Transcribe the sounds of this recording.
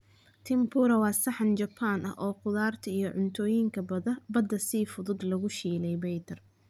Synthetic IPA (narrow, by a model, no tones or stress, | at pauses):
t̪ʰɪmpʰuːɾɐwɑːsɑħɑnt͡ʃɐpʰːaːnʔɐ̰hʔɔːqʊðaːrt̪ʰɐijɞʕʊnt̪ʰɔːjɪŋkʰɐbɐðɐbɐd̪ɐsiːfʊðʊd̪lɐɣʊʃiːlɛjbɛjt̪ʰɐr